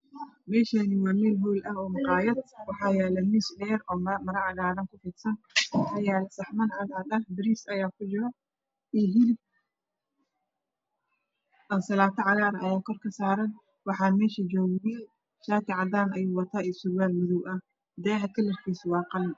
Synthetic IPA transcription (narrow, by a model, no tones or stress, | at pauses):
mɛːʃanɪwɑːmɛːlɦulʔɐɦɔːmɑqɑːjɐd̪̚wɑħɑːjɛːlɛmisdɛːɾɔːmmɐɾɐʕɑɣaːɾɐŋkʰʊfiːt̪sɐnɐjɛːlɐsɐħmɐnʕɑd̪ʕɑd̪ɐhbɪɾiːsɐjaːkʰʊd͡ʒɪɾɐ | iːɦɪlɪ | ɐnsɐlaːt̪ʰɐʕɑɣaːɾɐjaːkʰɔrkʰɐsaːɾɐn | wɑħɑːmɛːʃɐd͡ʒɔːwjɛ | ʃaːk̪ʰɪʕɑd̪aːnɐjuːwɑt̪ʰaːɛsʊɾwaːlmʊðʊwɐh | d̪ɛːɦɐkʰɐlɐrkʰiːswɑːqɑln